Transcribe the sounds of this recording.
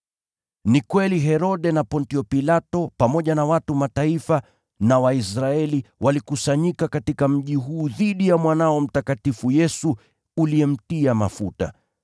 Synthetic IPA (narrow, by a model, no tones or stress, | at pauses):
nikwɛliɦɛɾɔɗɛnapɔntiɔpilatɔpamɔʄanawatumataifa | nawaisɾaɛliwʔalikusaɲikakatikam̩ʄiɦuːðiɗijamwanaɔm̩takatifujɛsuː | liɛm̩tiama̰futa̰